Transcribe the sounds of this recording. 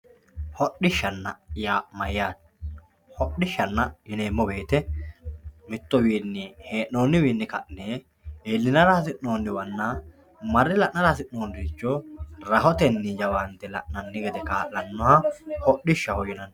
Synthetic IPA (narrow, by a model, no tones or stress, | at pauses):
hɔɗɪʃːɐnːɐ̰jamɐjjaːt̪ | hɔɗɪʃːɐnːɐjɪneːmːɔbe̞ːt̪ɛ | mɪt̪ːɔwiːnːɪheːʔnoːnːɪwiːnːɪkɐʔne | eːlːɪnɐɾaːsɪʔnoːnːɪwɐnːa | mɐɾːɪlɐʔnɐɾaːsɪʔnoːnd̪iːt͡ʃːoːɾɐɦɔt̪ɛnːɪd͡ʒɐwɐnt̪ɛlɐ̰ʔnɐnːɪɡɛd̪ɛkaːʔlɐnːɔhɐhɔʔɪʃːɐhɔjɪnɐn